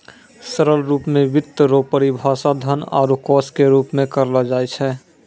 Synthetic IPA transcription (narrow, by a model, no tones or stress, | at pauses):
səɾəlɾuːpmẽʋɪt̪ːəɾoːpəɾibʱaːsad̪ʱəna̰ːɾukɔːskeɾuːpmẽkəɾlad͡ʒaɛt͡ʃʰɛ